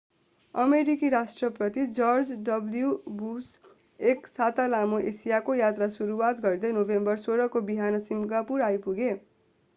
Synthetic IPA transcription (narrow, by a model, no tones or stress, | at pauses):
ʌmeɾikiɾasʈrʌprʌt̪id͡zʌrd͡zdʌbljubus | eksat̪alamoʔesijakojat̪rasuɾuwat̪ɡʌrd̪ʌjnobembʌrsoɾʌkobiɦanʌsimɡapuɾajpuɡe